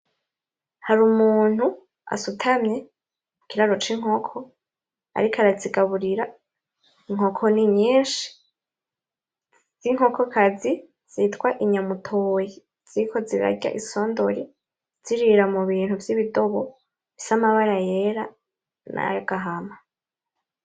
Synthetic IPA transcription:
haɾumuːn̥u | a̰sutʰamɲe | mukiɾaɾo̞t͡ʃiŋ̥o̞kʰo̞ | a̰ɾikʰaɾaziɡaβuɾiɾa | iŋ̥o̞kʰo̞niɲɲiːnʃi̥ | z̥iŋ̥o̞kʰokʰazi | z̥itwaʔiɲamutʰoːji | z̥ikʰo̞ziɾa̰ɟa̰ʔiso̞ːndoɾi | z̥iɾiɾamuβiːn̥huvjiβido̞βo | βisamaβaɾaje̞ɾa | na̰ɡ̥aɦama

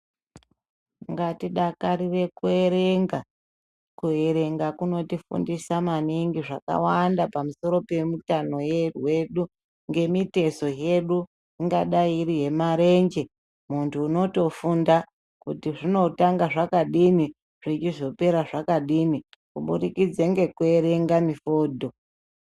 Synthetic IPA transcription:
ŋɡatiɗakaɾire̞kue̞ɾe̞ŋɡa | kuɦe̞ɾe̞ŋɡakuno̞tifṵndisamaniŋɡiʐaka̰wandapamuso̞ɾo̞pe̞mutano̞jerwe̞ɗu | ŋɡe̞mite̞so̞je̞ɗu | iŋɡaɗaiɾiɦe̞maɾe̞nd͡ʒe̞ | muntʰuːno̞to̞funda | kutiʐino̞taŋɡaʐakaɗimi | ʐ̥it͡ʃiʐo̞pe̞ɾaʐakaɗimi | kuɓunikid͡zeŋɡe̞kue̞ɾe̞ŋɡamifoːdʱo̞

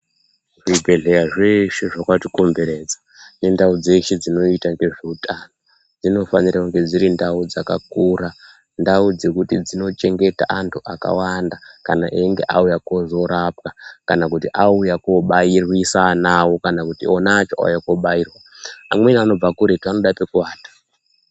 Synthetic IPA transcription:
ʐibʱe̞ɮe̞raʐeʃeʐakatikombe̞ɾe̞d͡za | ne̞ndaud͡ze̞ʃed͡zino̞itaŋɡe̞ʐeutʰano | d͡zino̞fa̰nirakuŋɡe̞d͡ziɾindaud͡zaka̰kuɾa | ndaud͡ze̞kutid͡zino̞t͡ʃe̞ŋɡe̞ta̰ʔantʰuʔaka̰wandakana̰ʔeŋɡe̞̰ʔa̰ujakozo̞ɾapkakanakutiʔaujakoɓairwisanawo̞kanakutionaːt͡ʃoʔa̰ujakoɓaiːrwa | amwe̞niano̞b͡vakuɾe̞tuano̞ɗapekuwaːtḁ

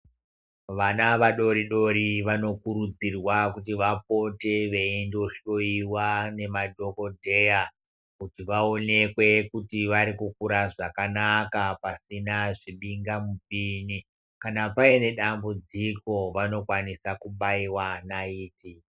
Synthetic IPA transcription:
ʋanaʋaɗo̞ɾiɗo̞ɾiʋano̞kuɾud͡zirwakutiʋap̚o̞te̞ʋe̞endoʃo̞iwane̞madʱo̞ko̞dʱe̞ja | kutiʋao̞ne̞kwe̞kutiʋaɾikuk̚uɾaʐakanakapasinaʐiɓiŋɡamup̚ini | kanapaine̞ɗambud͡ziko̞ʋano̞kwanisakuɓaiwanaiːti

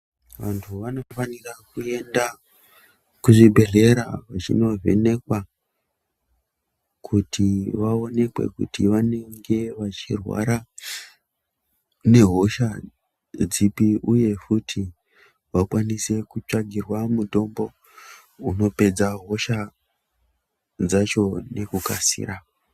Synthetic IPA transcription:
ʋa̰ntʰuʋano̞fanirakue̞nda | kuʐibʱe̞ɮe̞ɾaʋat͡ʃḭno̞ve̞̰ne̞kwa | kʰutʰiʋao̞ne̞kwe̞̰kṵtiʋane̞ŋɡe̞ʋat͡ʃirwa̰ɾa | ne̞ɦo̞ʃa | d͡zipiʔuje̞futʰi | ʋakwanise̞kut͡ʂaɡʱirwamuto̞mbo̞ | uno̞pe̞d͡zaɦo̞ʃa | d͡zat͡ʃo̞ne̞kukasḭːra

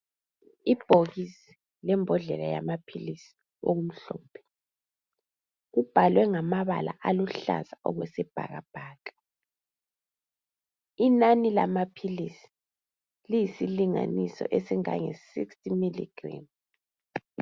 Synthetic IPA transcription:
ib̥ʱoɣisi̥ | lɛmbʱɔɮɛlaja̰mapʰilisi̥ | oɣum̩ɬɔːpʰɛ̥ | ɣub̥ʱalwɛŋamaβa̰la̰ʔaluɬa̰zaɔɣwɛsɛb̥ʱa̰ɣab̥ʱaːkḁ | inanila̰mapʰilisi̥ | lijisiliŋa̰nisɔ̰ʔesiŋa̰ŋɛsḭkstʼimilḭɡ̥ra̰m

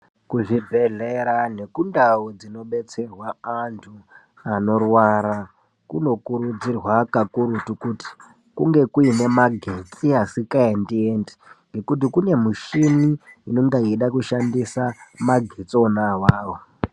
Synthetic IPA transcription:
kuʐibʱe̞ɮe̞ɾane̞kundaud͡zino̞ɓe̞t͡se̞rwaantʰu | ano̞rwaɾa | kuno̞kuɾud͡zirwakakuɾutukuti̥ | kuŋɡe̞kuine̞maɡʱe̞t͡siɦasikaendiende̥ŋɡe̞kut̬ikune̞muʃiniːnoŋɡaiɗakuʃandisamaɡʱet͡sonaʋaːwo

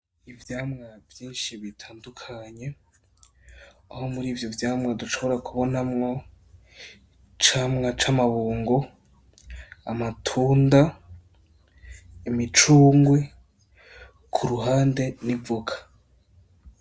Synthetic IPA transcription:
ivjaːmŋavjiːnʃiβitʰaːndukʰaɲe̞ | aho̞muɾiːvjovjaːmŋaduʃo̞βo̞ɾakʰuβo̞namŋo̞ | t͡ʃamŋat͡ʃamaβuːŋɡo | amatʰuːnda | imit͡ʃuːŋɡwe | kʰuɾuɦaːnde̞nivuɡḁ

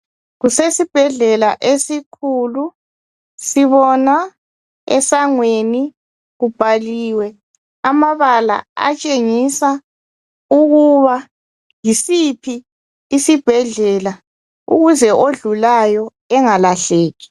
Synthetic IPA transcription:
ɣusesib̥ʱɛɮɛlaʔesikʰulu | siβɔna | ɛ̰saŋweni | ɣub̥ʱaliːwɛ | amaβala̰a̰t͡ʃʼeŋisa | uɣuβa | jisipʰiː | sib̥ʱɛɮɛla | ṵɣuzɛʔoɮulajɔ | ɛŋalaɬeːɣi̥

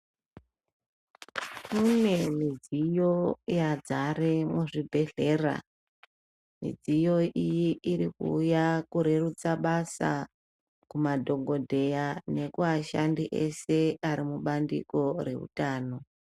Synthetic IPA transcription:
kune̞mid͡zijo̞jad͡zaɾemuʐibʱe̞ɮe̞ːra̰ | mḭd͡zijo̞ʔijiiɾikṵːjakuɾe̞rut͡saɓasa̰ | kumadʱo̞ŋɡʱo̞dʱe̞jane̞kuaʃandiʔese̞aɾimuɓandḭko̞re̞̰ɦṵtaːno̞

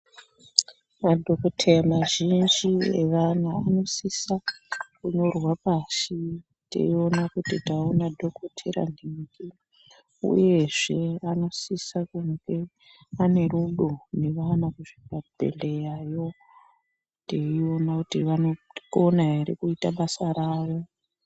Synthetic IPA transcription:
madʱo̞kotʰeramaʒind͡ʒieʋanaːno̞sisakuɲo̞rwapasi | tḛio̞nakutitaonadʱo̞kotʰeɾa̰niŋɡi | ṵje̞ʐe̞ano̞sisakuŋɡe̞ | ane̞ruɗo̞ne̞ʋanakuʐipabʱḛle̞jajo̞ | teio̞nakutiʋanokonaɦeɾikuitaɓasaɾaːʋo̞

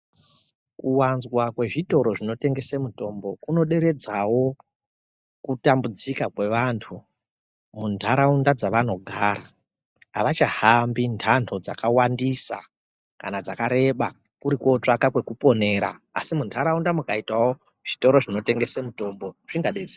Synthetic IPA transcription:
kuwanzwakwe̞ʐito̞ɾo̞ʐino̞te̞ŋɡe̞se̞muto̞mbo̞kuno̞ɗe̞ɾe̞d͡zawo̞ | kutambud͡zikakwe̞ʋantʰu | muntʰaɾaundad͡zaʋano̞ɡʱaɾa | aʋat͡ʃahambintʰantʰo̞d͡za̰kawandisa̰ | ka̰nad͡zakaɾe̞ɓa | kuɾiko̞t͡ʂakakwe̞kupo̞ne̞ːɾa̰a̰simuntʰaɾaundamukaitwawo | ʐ̥ito̞ɾo̞ʐino̞te̞ŋɡe̞semuto̞mbo̞ʐ̥iŋɡaɗe̞d͡ze

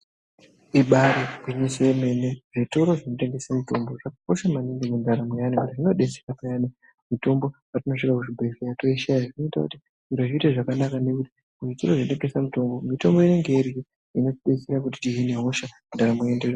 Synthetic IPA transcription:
iɓaɾikwiɲeseme̞ne̞ʐito̞ɾo̞ʐino̞te̞ŋɡe̞samito̞mbo̞ʐakako̞ʃamaniŋɡimundaɾamujanikutiʐino̞ɗe̞serapajani | mito̞mbo̞ | atino̞ʂikakuʐibʱefejato̞iʃajaʐino̞itakuti | iɾoʐiiteʐakanakane̞kuti̥ | uʐitoro̞ʐindepesamuto̞mbomito̞mbo̞ine̞ŋɡeirii | ino̞tiɗe̞seɾakuti̥tiɦine̞ɦo̞ʃa | ndaɾamujender

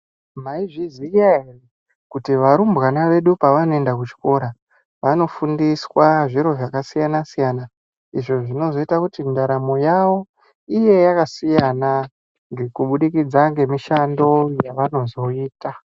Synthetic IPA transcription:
maiʐizijaere | kutiʋaɾumbɣanaʋe̞ɗupaʋanoe̞ndak̬ut͡ʃi̥ko̞ɾa | ʋano̞fundiswaʐiɾo̞ʐakasijanasijana | iʐo̞ʐino̞zo̞itakutindaɾamo̞jawo̞ | ije̞jakasijana | ŋɡe̞kuɓuɗikid͡zaŋɡe̞miʃando̞jaʋano̞zo̞iːta

